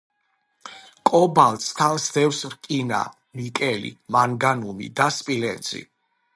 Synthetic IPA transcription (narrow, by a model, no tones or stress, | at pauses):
kʼɔbalt̪ʼst̪ʰansd̪ɛvsɾkʼina̰ | mikʼɛlḭmaŋɡanumḭd̪aspʼilɛnzḭ